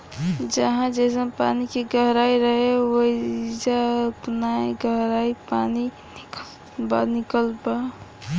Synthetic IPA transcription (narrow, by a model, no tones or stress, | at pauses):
d͡ʒəɦãd͡ʒɛs̬əpa̰nikeɡəɦɾaiɾəɦewoid͡ʒaəpnaeɡəɦɾaipani | nik | banikəlba